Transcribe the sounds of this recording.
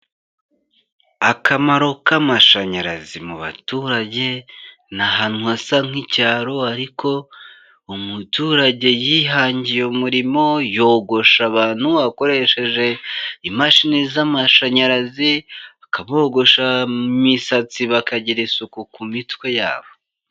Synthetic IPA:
akʰamaɾo̞kamaʃaɲaɾa̰zimuβa̰tuːɾaɟe̞ | naɦan̥huasaŋ̥hicaːɾo̞aɾikʰo̞ | umutuːɾaɟe̞jiːɦaːɲɟijeumuɾimo̞jo̞ːɡo̞ʃaβaːn̥huβako̞ɾe̞ʃe̞ʒe̞imaʃinizamaʃaɲaɾaziakaβo̞ɡo̞ʃamisat͡siβakaɟiɾisukukumitwe̞ja̰ːβo̞

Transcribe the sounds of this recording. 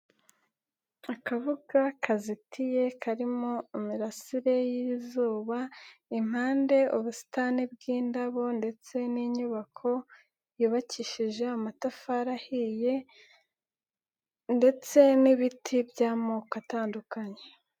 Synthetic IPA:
akavuɡ̥akʰazitʰije̞kʰaɾimo̞imiɾasiɾe̞jizuːβaim̥haːnde̞uβusi̥tanib̚ɡiːndaβo̞nde̞t͡se̞niɲuβakʰo̞ | juːβaciʃiʒe̞amatafaːɾahije̞ | nde̞t͡se̞niβitʰibjaːmokataːndukaɲe̞

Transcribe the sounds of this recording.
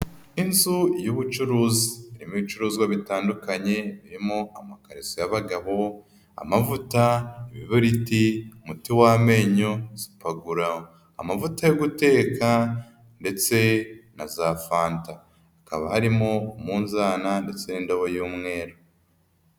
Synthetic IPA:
inzujuβut͡ʃuɾuːzi̥ːɾimit͡ʃuɾuːzɡwaβitaːndukaɲe̞βiɾimoʔamakaɾisojaβaɡaβo̞ | a̰mavutaiβiβuɾitiumutiwaːme̞ːɲo̞z̥i̥paɡuɾao | a̰mavutajoɡute̞ːka | nde̞t͡se̞nazaːfaːntaː | kaβahaɾimo̞umuːnzaːnande̞t͡se̞nindoβojuːmŋe̞ːɾo

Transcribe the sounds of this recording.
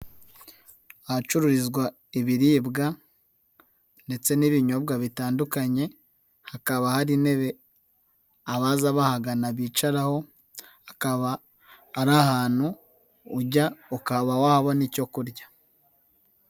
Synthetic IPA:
ahat͡ʃuɾuɾizɡwa | iβiɾiːbɡa | nde̞t͡se̞niβiɲo̞bɡaβitaːndukaɲe̞ | hakaβahaɾine̞βe̞ | aβazaβahaɡanaβiːt͡ʃaɾaho̞ | akaβaː | ɾahaːn̥huː | ɟaukaβawahaβanico̞kuɾɟḁ

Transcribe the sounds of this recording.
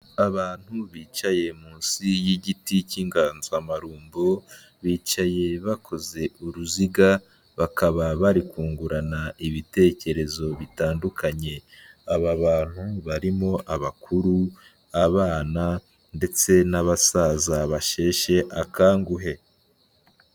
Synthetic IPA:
aβaːn̥huβiːt͡ʃaje̞muːnsijiɟiticiːŋɡaːnzamaɾuːmbo | βiːt͡ʃaje̞βakʰo̞ze̞uɾuziɡa | βakʰaβaβaɾikuːŋɡuɾanaiβite̞ce̞ɾe̞zo̞βitaːndukʰaɲe̞aβaβaːn̥huβaɾimo̞ʔaβakʰuɾu | aβaːna | nde̞t͡se̞naβasaːzaβaʃe̞ːʃe̞ʔakaːŋɡuɦe̞

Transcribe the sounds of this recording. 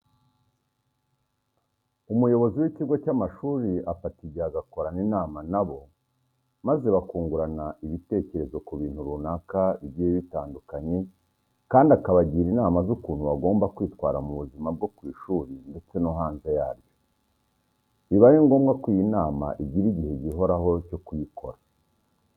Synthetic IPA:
umujo̞βo̞ziwiciɡo̞camaʃuːɾiafatiɟiaɡako̞ɾaninaːmanaβo̞ | maze̞βakuːŋɡuɾanaiβite̞ceɾe̞zo̞kuβiːn̥huɾunakaiβɟijeβitaːndukaɲe̞ | kaːndiakaβaɟiːɾinaːmazukuːn̥huβaɡo̞ːmbakwiːtwaːɾamuβuzimab̚ɡo̞kwiːʃuːɾinde̞t͡se̞noɦaːnzejaːɾɟo̞ | iβaɾiŋɡo̞ːmɡakwijinaːma̰ʔiɟiɾiɟihe̞ɟiɦo̞ɾaɦo̞co̞kujikʰo̞̰ɾa

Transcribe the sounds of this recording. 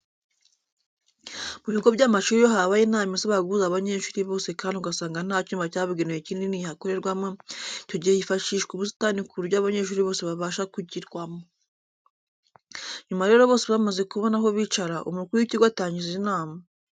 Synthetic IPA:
muβiɡo̞bɟaːmaʃuːɾijoɦaβajinaːmisaβaɡuzaβaɲe̞ːʃuːɾiβo̞ːse̞kaːndiuɡasaːŋɡan̥aːcuːmvacaːβuɡenejecininihakoɾe̞ɾɡwamoico̞ɟihejifaʃiːʃkuβusi̥tanikuɾjaːβaɲeʃ̬uːɾiβo̞ːse̞βaβaːʃakuɟiɾɡwamo | ɲumaɾe̞ɾo̞βoːse̞βamaze̞kuβo̞naɦo̞βiːt͡ʃaɾaʔṵmukuɾujiciɡwataːɲɟizinaːma

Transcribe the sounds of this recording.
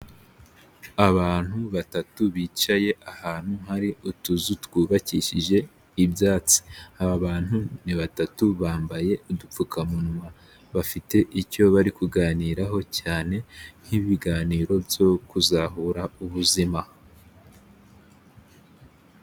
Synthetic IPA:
aβaːn̥huβatatuβiːt͡ʃaje̞ahaːn̥huhaɾiutuzutwuːβaciʃiʒe̞ | ibjaːt͡si̥aβaβaːn̥huniβatatuβaːmbaje̞udup͡fukʰamunwa | βafite̞ʔico̞βaɾikuɡaːniːɾaɦo̞caːne̞n̥hiβiɡaːniːɾo̞bjo̞kuzaɦuɾauβuzima

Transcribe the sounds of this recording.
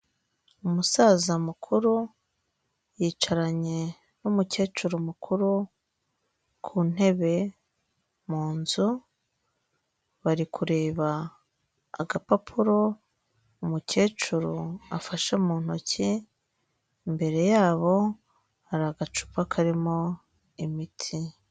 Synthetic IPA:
umusazamukʰuɾu | jiːt͡ʃaɾaɲe̞ | numuce̞ːt͡ʃuɾumukʰuɾu | kʰuːn̥e̞βe̞ | muːnzu | βaɾikʰuɾe̞ːβa̰ː | ɡapapʰuɾo̞ | umuce̞ːt͡ʃuɾuafaʃomuːn̥hoci | mbe̞ɾe̞jaːβo̞ | aɾaɡat͡ʃu̥pakʰaɾimo̞ | imitʰi

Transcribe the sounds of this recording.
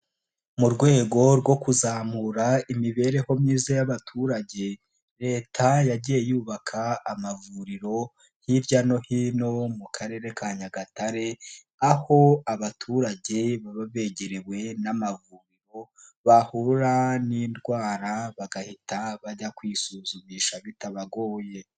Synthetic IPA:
muɾɡwe̞ːɡo̞ɾwo̞kuzaːmuɾaimiβe̞ɾe̞ho̞mɲiːzajaβatʰuːɾaɟe̞ | ɾe̞ːtʰajaɟije̞juːβakʰaːmavuɾiɾo̞ | hiɾjano̞hino̞mukʰaɾe̞ːɾe̞kʰaːɲaɡataɾe̞ | aho̞aβatʰuːɾaɟe̞βaβaβe̞ɟeɾewe̞namavuɾiɾo̞ | βahuɾaniːndɡwaːɾaβaɡahitʰaβaɟakwiːsuːzumiːʃaβitaβaɡo̞ːje̞

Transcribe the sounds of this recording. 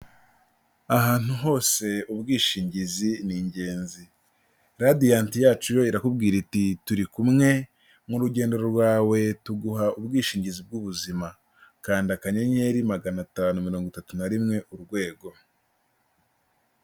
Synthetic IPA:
aɦaːn̥uɦo̞ːse̞ubɡiːʃiːɲɟiziniɲɟe̞ːnzi | ɾadijaːntijaːt͡ʃujo̞iɾakubɡiːɾitituɾikumŋe̞ | muɾuɟe̞ːnde̞ɾoɾɡwaːwe̞tuɡuɦaʔubɡiːʃiːɲɟizib̚ɡuβuzima | kaːndiakaɲeɲe̞ɾimaɡanataːnumiɾo̞ːŋɡutatunaɾimŋe̞ʔuɾɡwe̞ːɡo̞

